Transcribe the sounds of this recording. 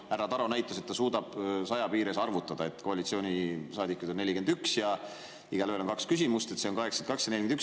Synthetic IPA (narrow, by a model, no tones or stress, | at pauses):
æɾːɑt̪ɑɾonæjt̪ːˑɑse̞t̪ːɑsuːd̪̥ɑb̥sɑjɑpiːɾe̞sɑrvut̪ːˑɑd̪̥ɑe̞t̪ˑko̞ɑlit̪sio̞ːnʲisɑːd̪ikːˑud̪o̞nːe̞lʲːike̞nd̪yksjɑ | iɡ̥ɑløelokɑkskysimust̪e̞t̪se̞onkɑɦeksɑnkɑksjɑnelʲikeyk